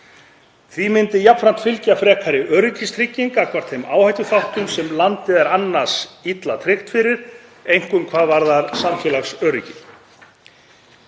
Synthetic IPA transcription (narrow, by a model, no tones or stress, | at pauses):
θvimɪnt̪ɪjapfɾan̥t̪fɪlcafɾɛːkʰaɾɪʔœːɾʏcɪst̪ʰɾɪcːiŋkakʰvar̥t̪θejma̰ːwhajt̪ʏθawht̪ʏmsɛmlant̪ɪðɛɾanːḁsit̪lat̪ʰɾɪxt̪fɪɾɪɾ̥ | ejŋ̥kʏmkʰvaːðvaɾðaɾsamfjɛlaxsœːɾʏcɪ